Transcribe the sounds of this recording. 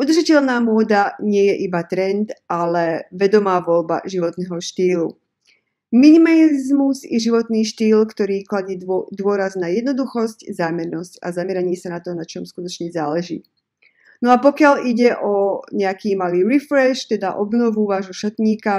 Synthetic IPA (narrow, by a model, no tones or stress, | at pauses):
ʔud̪rʒacɛlnaːmʊɔd̪aɲɪɛjɛʔibat̪ɾɛnt̪ʔalɛʋɛd̪ɔmaːʋɔlba̰ʒiʋɔt̪nɛɦɔʃt̪iːlu | minimallizmuzɛʒiʋɔt̪niːʃt̪iːlkt̪ɔɾiːklaɟiːd̪ʊɔɾaznajɛd̪nɔd̪uxɔsczaːmɛɾnɔsca̰zamɛɾaɲɪɛsanat̪ɔnat͡ʃɔmskut̪ɔt͡ʃɲɛzaːlɛʒḭː | nɔapɔkɪaliɟɛʔɔɲɛakiːmaliːɾifɾɛʃt̪ɛd̪a̰ʔɔbnɔʋuʋaːʒɦɔʃat̪ɲiːka